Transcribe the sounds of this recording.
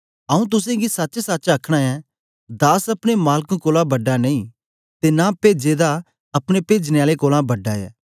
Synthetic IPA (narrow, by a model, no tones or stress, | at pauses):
ɐũt̪̬ʊs̬ẽɡisɐtːt͡ʃsɐːt͡ʃɐkʰɽ̃aɛː | d̪aːsɐpɽ̃emaːlkũkoːlãbɐɖːaneĩ | t̪enapeːd͡ʒeːd̪a | ɐpɽ̃epeːd͡ʒneaːlekoːlãbɐɖːaɛ̰ː